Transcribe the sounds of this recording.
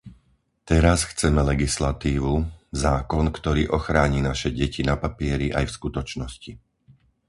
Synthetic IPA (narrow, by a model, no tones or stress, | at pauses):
t̪ɛɾasxt͡sɛmɛlɛɡislat̪iːʋuzaːkɔnkt̪ɔɾiːʔɔxɾaːɲiːnaʃɛɟɛcinapapɪɛɾiʔa̰jfskut̪ɔt͡ʃnɔsci